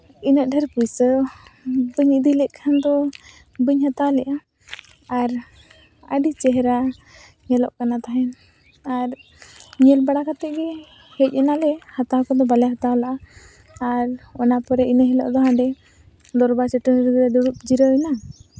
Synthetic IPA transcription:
inəʔ̚ɖʱɛɾpujsə | bəɲiʔd̪ilɛʔkʰand̪ɔ | bəɲhat̪alɛʔa | aɾ | əɖit͡ʃɛɦɛɾa | ɲɛlɔʔkanat̪aɦɛn | aɾ | ɲɛlbaɽakat̪ɛʔɡɛ | hɛc̚ˀɛnalɛhat̪akɔd̪ɔbalɛɦat̪alaʔa | aɾɔnapɔɾɛinəɦɛlɔ̰ʔd̪ɔɦãɖɛ | d̪ɔɾbat͡ʃɛʈənɾd̪ɔɖuɽup̚d͡ʒiɾɔɛna

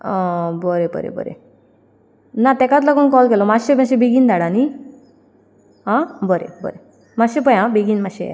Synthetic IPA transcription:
bɔɾebə̰ɾḛbɔ̰ɾḛ | nat̪ɛkat̪lakonkɔlkelɔmaɕebãɕebiɡind̪aɽani | ɦãbɔɾḛbɔ̰ɾe | maɕepəjãbeɡinmaɕḛ

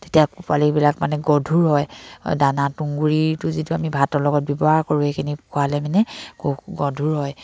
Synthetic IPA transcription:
tetijakupalikbilakmanɛɡɔdʱuɹɦɔjdanatuŋɡuɹitʊzituamibʱatɔlɔɡɔt̚bɔbɔɦaɹkoɹuhekʰinikualɛmanɛkoɡɔdʱuɹɦɔj

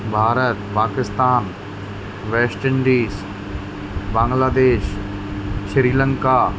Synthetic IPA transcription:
bʱaːɾət̪paːkɪst̪aːn | ʋɛːsʈəɳɖiːs | bãːŋɡlaːd̪eːʃ | ʃɾiːlə̃ŋkaː

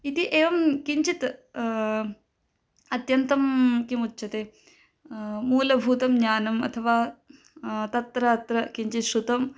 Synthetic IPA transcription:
it̪iʔeːʋɐmkiɲt͡ʃit̪ | ɐt̪jɐnt̪ɐmkimut͡ʃːʃɐt̪eː | muːlɐbʱuːt̪ɐmɲaːnɐmɐ̰t̪ʰɐʋaː | t̪ɐt̪ɾɐɐt̪ɾɐkiɲt͡ʃit̪ʃut̪ɐm

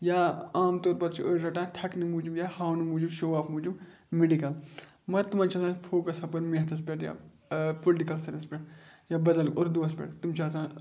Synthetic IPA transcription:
jaːaːmt̪oːɾpɐɾt͡ʃʰiʔəɾɾɐʈãːʈʰɐknɨmuːd͡ʒibjaːhaːwnɨmuːd͡ʒubʃoːaːpʰmuːd͡ʒub | meɖikɐl | mɐt̪umãːnt͡ʃʰɐsãːfʰoːkɐsɐpɐɾmiɦɐt̪ʰɐspʲɐʈja̰ː | polʈikɐlsɐnɐspʲeʈjaːbɐd̪ɐlkoɾd̪uɐspʲḛɽt̪umt͡ʃʰaːsãː

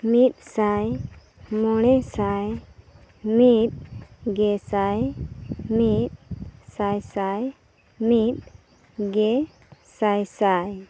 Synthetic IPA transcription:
mit̪̚saj | mɔɽ̃ɛsaj | mit̪̚ɡɛsaj | mit̪̚sajsaj | mit̪̚ | ɡɛ | sajsaj

